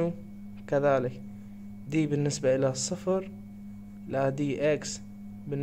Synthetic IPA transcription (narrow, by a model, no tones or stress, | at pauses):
u | kaðaːlɪk | d̪iːbɪnːɪsbaʔɪlasˤːʊfɾ | lad̪iːʔaks | bɪnː